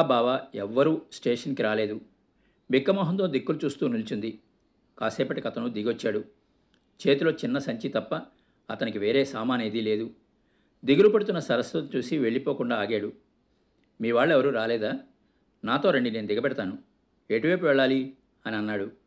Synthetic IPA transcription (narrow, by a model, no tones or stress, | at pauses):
baːʋaɛʋːɐɾuːsʈeːʂɐnkiɾaːle̞ːd̪u | bikːɐmɔːɦɐnt̪oːd̪ikːulut͡ʃuːst̪uːnulit͡ʃund̪i | kaːsɛːpɐʈːikɐt̪ɐnud̪iɡʋɐt͡ʃːaːɽu | t͡ʃe̞ːt̪ulo̞ːt͡ʃinːɐsɐɲt͡ʃit̪ɐpːɐ | ɐt̪ɐnikiʋe̞ːɾe̞ːsaːmaːneːd̪ile̞ːd̪u | d̪iɡulupɐɽut̪unːɐsɐɾɐsɐt͡ʃuːsiʋe̞ɭːipo̞ːkuɳɖaːaːɡeːɽu | miːʋaːɭːɛʋɐɾuːɾaːlɛːd̪aː | naːt̪o̞ːɾeɳɖine̞ːnud̪iɡɐpɛɽɐt̪aːnu | eːʈiʋeːpuʋɛɭːaːli | ɐniɐnːaːɽu